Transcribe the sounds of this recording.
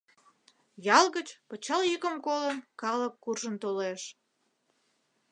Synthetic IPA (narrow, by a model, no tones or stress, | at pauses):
jɑlɣət͡ɕpət͡ɕɑljikəmkolənkɑləkːurʒənt̪oleʃ